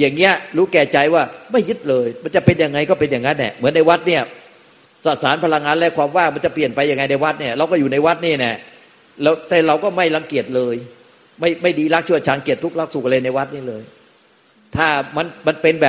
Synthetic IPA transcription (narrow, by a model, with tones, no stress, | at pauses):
ja˨˩ŋːi˦˥ɐɾuː˦˥kɛː˧˩t͡ɕa˧jwaː˥˩ma˥˩jːɯ˦˥t̪̚lɤː˧jma˧nt͡ɕa˨˩pe˧nja˨˩ŋːa˧jkɔː˥˩pe˧nja˨˩ŋːa˦˥nːɛ̰˨˩mɯ˩˦nːa˧jwa˦˥t̪̚ni˥˩ɐ | sa˨˩saː˩˦npʰa˧la˧ŋːaː˧nlɛ˦˥kʰwaː˧mwaː˥˩k̚ma˧nt͡ɕa˨˩pli˨˩ənpa˧jːa˧ŋa˧jna˧jwa˦˥t̪̚ni˥˩ɐɾa˧wkɔː˥˩juː˨˩na˧jwa˦˥t̪̚niː˥˩nɛ˨˩ | lɛː˦˥wt̪ɛː˧˩ɾa˧wkɔː˥˩ma˥˩jla˧ŋki˨˩ət̪̚lɤː˧j | ma˥˩jma˥˩jdiː˧la˦˥k̚t͡ɕʰu˥˩ət͡ɕʰaː˧ŋki˨˩ət̪ʰːu˦˥k̚la˦˥k̚su˨˩klɤː˧na˧jwa˦˥t̪̚niː˥˩lɤː˧j | t̪ʰaː˥˩ma˧nma˧npe˧nbɛː˨˩p̚